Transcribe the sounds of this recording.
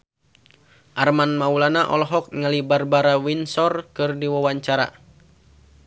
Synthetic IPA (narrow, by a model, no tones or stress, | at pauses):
ʔarmanmaulanaʔɔlɔɦɔk̚ŋalibarbaɾawinsɔrkɨrdiwawaɲt͡ʃaɾa̰